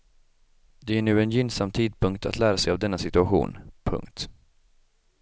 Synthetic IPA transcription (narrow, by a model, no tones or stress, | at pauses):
d̪ɛæɳʉ̟ːɛnjʏnsamt̪ʰiːd̪̚pʰɵŋkt̪ʰa̰t̪læːɾasɛjavd̪ɛnːasɪt̪ɵaɧṵːnpʰɵ̰ŋkt̪